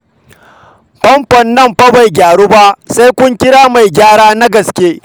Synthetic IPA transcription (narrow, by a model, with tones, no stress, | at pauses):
ɸɐ˦mɸɐ˨nːɐ˦˨mɸɐ˦ba˨jɡʲaː˨ɽu˦ba˦ʔsa˦jkʷʊ˦ŋkʲɪ˦ɽaː˦ma˨jɡʲaː˦ɽaː˦na˦ɡɐ˨skʲeː˦